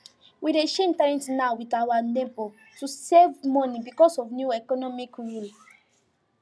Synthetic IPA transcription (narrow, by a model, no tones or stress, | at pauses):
wiɾeʃẽntaɹɛ̃ntnawitawanɛ̃pɔ | tusevmɔ̃nibikɔsɔfnjuɛkɔnɔmikɹul